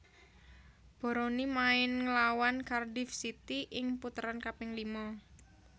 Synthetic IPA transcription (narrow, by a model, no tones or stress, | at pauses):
b̥ɔ̤ɾonimaɪnŋəlawankardɪfsit̪iʔɪŋput̪əɾankapɪŋlimɔ